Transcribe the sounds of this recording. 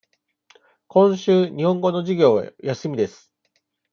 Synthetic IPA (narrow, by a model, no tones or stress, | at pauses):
kõ̞ɰ̃ɕɨːɲ̟ihõ̞ŋɡo̞no̞ʑiɡʲo̞̰ːjasɨmʲid̪e̞sɨ̥